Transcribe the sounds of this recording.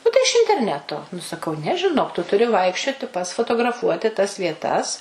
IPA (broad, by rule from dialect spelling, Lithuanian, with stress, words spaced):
ˈnʊ tɐɪ ɪʃ ɪnʲtʲɛrʲˈnʲæːtoː nʊ sɐˈkɐʊ nʲɛ ʒʲɪˈnoːk tʊ tʊˈrʲɪ ˈʋɐɪkʃʲt͡ʃʲoːtʲɪ pɐts foːtoːɡrɐˈfuɔtʲɪ tɐs ʋʲiɛˈtɐs